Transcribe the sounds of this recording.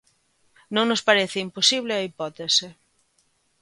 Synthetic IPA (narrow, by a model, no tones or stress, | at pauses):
nõŋnospaɾeθɪimposiβlɪɐipɔt̪esɪ